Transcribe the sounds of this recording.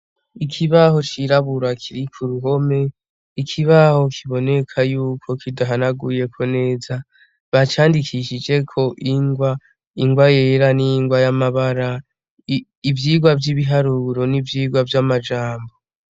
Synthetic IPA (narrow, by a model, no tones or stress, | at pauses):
ikʰiβaho̞t͡ʃiɾaβuɾakʰiɾikʰuɾuɦo̞me̞ | ikʰiβaho̞kʰiβo̞ne̞kʰajuːkʰo̞kidaɦanaɡuje̞kʰo̞ne̞ːza | βat͡ʃaːndikʰiʃid͡ʒe̞kʰo̞ʔiŋɡwa | iŋɡwaje̞ɾaniŋɡwajamaβaɾa | ivjiːɡwavjiβiɦaɾuɾo̞nivjiːɡwavjamad͡ʒaːmbo